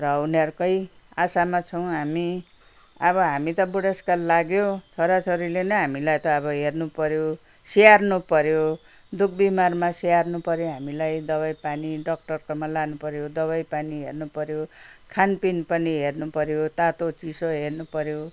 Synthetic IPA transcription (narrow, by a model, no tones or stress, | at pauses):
rʌunʌɾkʌj | asamat͡sʰʌw̃ɦami | ʌbʌɦamit̪ʌbuɽeskallaɡjot͡sʰʌɾat͡sʌɾilenʌɦamilajt̪ʌːβʌɦernupʌɾjo | sijarnupʌɾjo | d̪uk̚ʰbimarmasijarnupʌɾjoɦamilajd̪ʌbajpaniɖʌk̚ʈʌrkʌmalanupʌɾjod̪ʌβajpaniɦḛrnupʌɾjokʰanpinpʌniɦernupʌɾjot̪at̪ot͡sisoɦernupʌɾjo